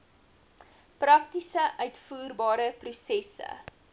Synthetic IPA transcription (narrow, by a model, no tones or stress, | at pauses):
prɐktisəʔœɥtfuːrbɑːɾəprusɛsə̰